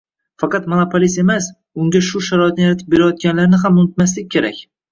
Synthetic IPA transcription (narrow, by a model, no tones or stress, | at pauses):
fɑqɑt̪monopʰolise̞mas | ʊŋɡʲaʃʊʃaɾɒɪt̪̚nɪjaɾat̪ʰɪp̚be̞ɾajɒt̪̚kʲanlaɾnɪɦamʊnʊt̪mas̬lɪk̚ʲːʰe̞ɾakʲ